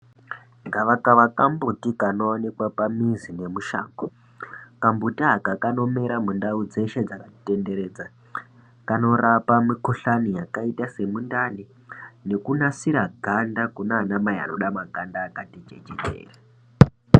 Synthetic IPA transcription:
ŋɡaʋakaʋakambutikano̞ːnekwapamizine̞muʃa̰ːŋɡo | kambutiɦakakano̞me̞ɾamundaud͡ze̞ʃed͡zakate̞nde̞ɾe̞ːd͡za | kano̞rapamikoɬanijakaitase̞mundani | ne̞kunasiɾaɡʱandakunaːnamaia̰no̞ɗamaɡʱandaːkatid͡ʒḛd͡ʒḛdʱḛːra

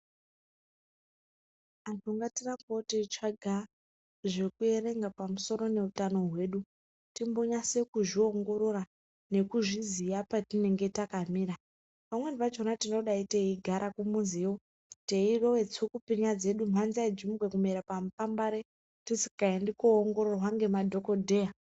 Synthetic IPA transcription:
atoŋɡatiraŋkotit͡ʃaɡʱa | ʐe̞kue̞re̞ŋɡapamuso̞ɾo̞ne̞utano̞ɦwe̞ːɗu | timbo̞ɲase̞kuʐio̞ŋɡo̞ɾoɾa | ne̞kuʐizijapatine̞ŋɡe̞takamiːɾa | pamwe̞nipat͡ʃonatino̞ɗaiteiɡʱaɾʔakumunziwo | teiro̞we̞t͡sukupiɲad͡ze̞ɗum̤anziaid͡ʒimuɡwekumeɾapam̩pambaɾe | tisi̥kaindikoːŋɡo̞ɾorwaŋɡe̞madʱo̞ko̞dʱe̞ja

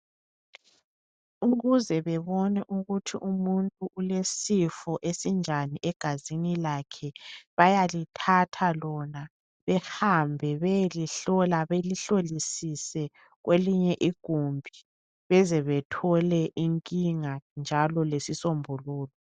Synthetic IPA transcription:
uɣuzɛβɛβɔnɛʔuɣutʰiʔumuntʼuulesifɔʔesind͡ʒʱaniɛɡ̥ʱazinilakʰɛβajalitʰatʰalɔna | βɛhambʱɛβɛjliɬɔlaβeliɬolisisɛ | ɣwʔeliɲɛʔiɡ̥ʱumbʱi | βɛzɛβɛtʰɔlɛʔiŋkʼiŋand͡ʒʱalɔlesisombʱɔluːlɔ

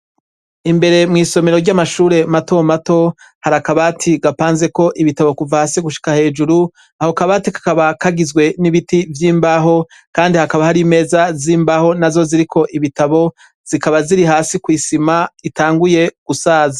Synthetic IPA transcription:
imbe̞ɾe̞mŋiːso̞me̞ɾo̞ɾɟamaʃuːɾe̞mato̞mato̞ | haɾakaβatʰiɡapaːnze̞ko̞ʔiβitaβo̞kuvahaːsiɡuʃi̥kahe̞ːd͡ʒuɾu | aho̞kaβatikḁkaβakaɡizɡwe̞niβitivjiːmbaɦo̞ | kaːndihakaβahaɾime̞ːzaziːmbaho̞nazo̞ziɾikʰo̞ʔiβitaβo̞ | z̥ikaβaziɾiɦaːsikwiːsimaitʰaːŋɡuje̞ɡ̥usaːzḁ

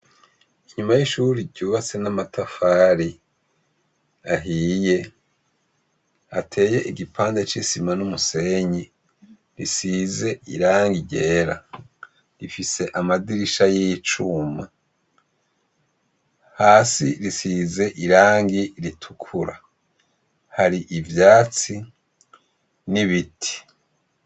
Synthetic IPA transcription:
iɲumajiʃuɾiɾɟuːβat͡se̞namatʰafaːɾi | aɦiːje̞ | atʰe̞ːje̞ʔiɡipʰaːnde̞t͡ʃisimanumuse̞ɲi | ɾisize̞ḭɾaːŋɡiɟe̞ːɾa | ɾifise̞ʔamadiɾiʃajiit͡ʃuma | haːsiɾisiːze̞ʔiɾaːŋɡiɾitʰu̥kʰuɾa | haɾiʔivjaːt͡si | niβitʰi̥

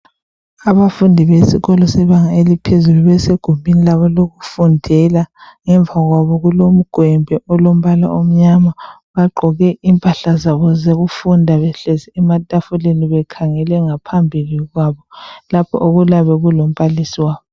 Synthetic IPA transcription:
aβafundʱiβesḭɣɔlɔsɛβaŋaelipʰezuluβɛseɡ̥ʱumbʱinilaβɔloɣufundʱɛlaŋɛɱvaɣwaβɔɣulom̩ɡ̥ʱwɛmbʱɛɔlom̩βala̰ʔom̩ɲama | βaɡ͡ǃʱɔɣɛʔimpʼaɬazaβɔzeɣufundʱaβɛɬɛzɛɛmatʼafuleniβɛkʰaŋɛlɛŋapʰambʱiliɣwaβɔlapʰɔ̰ʔoɣulaβɛɣulom̩palisiwaːβɔ

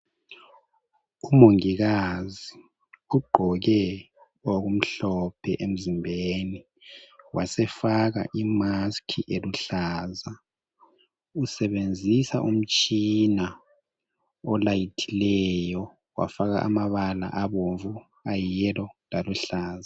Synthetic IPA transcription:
umoŋiɣazi | uɡ͡ǃʱɔɣɛ | oɣum̩ɬɔpʰɛʔem̩zimbʱeni | wʔasɛfaɣa̰ʔimaskʰiʔeluɬaːza | usɛβend͡zʱisaʔum̩t͡ʃʼina | ɔlajitʰilɛjɔ | wa̰faɣa̰ʔa̰maβala̰ʔaβoɱvu | ajɛlɔlaluɬaːza

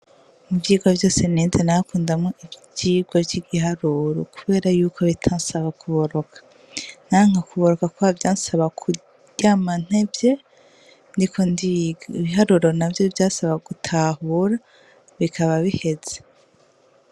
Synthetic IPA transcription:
muvjiːɡwovjo̞ːse̞neːzenaːkuːndamŋo̞ʔibjiːɡ̥woɾɟiɡihaɾuɾokuβe̞ːɾajuːkʰo̞βitʰaːnsaβakuβo̞ɾo̞kʰḁ | n̥aŋ̥akuβo̞ɾo̞kakuavjaːnsaβakʰu | ɟ̥aman̥evje̞ | ndikʰoniβiɦaɾuːɾo̞navjovjaːsaβaɡutʰahuɾa | βikʰaβaβihe̞z̥e̥

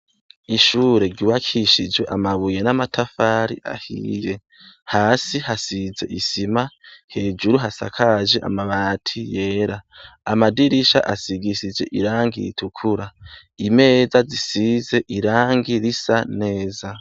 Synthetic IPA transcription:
iʃuːɾe̞ɾɟiwakʰiʃid͡ʒwe̞ʔamaβuje̞namatʰafaːɾḭʔa̰hḭːje̞ | haːsihasize̞̰ʔisimahe̞ːd͡ʒuɾuɦasa̰kʰaʒeʔa̰maβaːtʰije̞ːɾaːmadiɾiʃa̰ʔasiɡiʃid͡ʒe̞ʔḭɾaːŋɡḭɾḭtʰukʰuɾa | ime̞ːzazisize̞ʔiɾaːŋɡiɾisane̞ːza

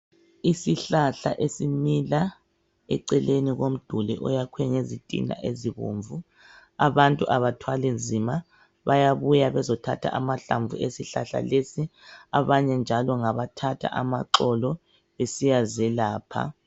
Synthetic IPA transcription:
isiɬaɬa̰ʔesimila | ɛ̰ǀɛleniɣom̩d̥ʱulɛ̰ʔɔ̰jakʰwɛŋezitʼḭna̰ʔeziɣo̰ɱvu | aβantʼuʔaβatʰwalend͡zʱima | βajaβujaβɛzɔtʰa̰tʰa̰ʔamaɬaɱb̪vʱṵesiɬaɬa̰lesiaβaɲɛnd͡ʒʱalɔŋaβatʰatʰa̰ʔamaǁɔlɔ | esijazɛlaːpʰa̰

